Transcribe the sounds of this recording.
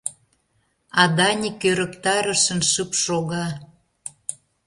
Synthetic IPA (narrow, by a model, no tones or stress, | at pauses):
ɑd̪ɑnʲikøɾə̆kt̪ɑɾə̆ʃə̆nʃɨpʃoɣɑ